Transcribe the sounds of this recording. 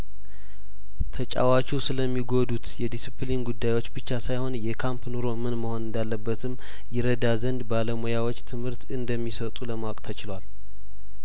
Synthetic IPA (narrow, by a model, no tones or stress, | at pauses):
t̪ʰət͡ʃʼa̰wat͡ʃusɨləmːiɡo̞d̪ut̪jɛd̪isiplinɡud̪ːajwo̞t͡ʃːbɨt͡ʃːasajho̞njɛkʰampnoɾo̞mɨnməho̞nɨnd̪alːəbːət̪ʰɨm | jɛɾəd̪azənd̪baləmojawot͡ʃːt̪ʰɨmhɨɾt̪ɨnd̪əmːisət̪ʼuləmawakʼt̪ʰət͡ʃɪlwal